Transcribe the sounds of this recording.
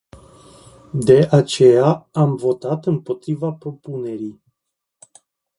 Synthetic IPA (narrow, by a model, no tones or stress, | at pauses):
d̪e̞ʔat͡ʃe̞jaamvo̞t̪at̪ɨmpo̞t̪ɾivapɾo̞pune̞ɾij